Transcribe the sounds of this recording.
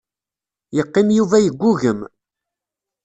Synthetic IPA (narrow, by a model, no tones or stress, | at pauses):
jəqːɪmjuvæjəɡʷːuɣəm